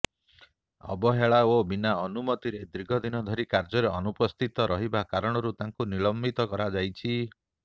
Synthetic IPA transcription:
ɔ̰bɔɦeɭaobinaɔnumɔt̪iɾed̪ɾiɡʱɔd̪inɔd̪ʱɔɾikaɾd͡ʒɔɾeɔnupɔst̪ʰit̪ɔɾɔɦibakaɾɔɽ̃ɔɾut̪aŋkuniɭɔmbit̪ɔkɔɾad͡ʒajt͡ʃʰi

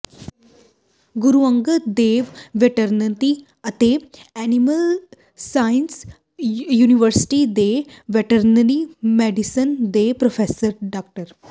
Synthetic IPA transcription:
ɡuɾuʋəŋɡəd̪eːʋʋeʈəɾnət̪i | ɐt̪eæniməl | sajns | juːniʋəɾsi̥ʈid̪eʋeʈəɾnənimeɖisənd̪epɾofesəɾɖak̚ʈəɾ

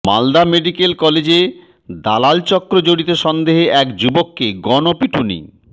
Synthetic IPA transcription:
ma̰ld̪ameɖikelkɔled͡ʑe | d̪alalt͡ɕɔkːɾod͡ʑoɽit̪oʃɔnd̪eɦeʔɛkd͡ʑubokːeɡɔnopiʈʰunḭ

